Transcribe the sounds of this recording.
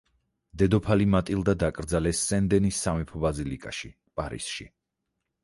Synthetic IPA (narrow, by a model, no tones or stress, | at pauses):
d̪ɛd̪ɔpʰalimat̪ʼilˠd̪ad̪akʼɾd̪zalɛsːɛnd̪ɛnisːamipʰɔbazilikʼaʃi | pʼaɾḭsʃḭ